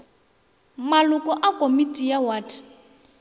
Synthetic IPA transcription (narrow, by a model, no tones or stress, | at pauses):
malʊkʼɔʔakʼomitʼijawaːtʰi̥